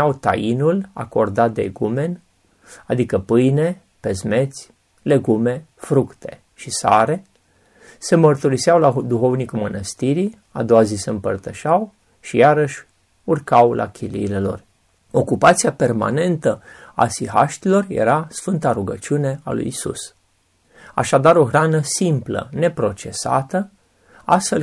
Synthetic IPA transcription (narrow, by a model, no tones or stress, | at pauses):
awt̪a̰jinula̰ko̞rd̪at̪̚d̪ḛɡume̞n | ad̪ikəpɨjne̞ | pe̞zme̞t̪sʲ | le̞ɡume̞ | fɾukt̪ʰe̞̥̰ | ʃisa̰ɾe̞ | se̞mərt̪uɾisiawlad̪uxo̞vnikulmənəst̪iɾi | a̰d̪o̞wazise̞ɨmpərt̪əʃaw | ʃijaɾəʃʲ | urkawlʔa̰kʲʰilḭːle̞lo̞̰r | o̞kupat̪sijape̞rma̰ne̞nt̪əa̰siɦa̰ʃt̪ilo̞rjḛɾasfɨnt̪aɾuɡə̰t͡ʃiune̞a̰lṵjisṵs | a̰ʃad̪aɾo̞xɾanəsimplə̰ne̞pɾo̞t͡ʃe̞sa̰t̪ə | ast̪fel